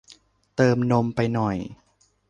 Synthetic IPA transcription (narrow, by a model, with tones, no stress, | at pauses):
t̪ɤː˧mno˧mpa˧jnɔ˨˩j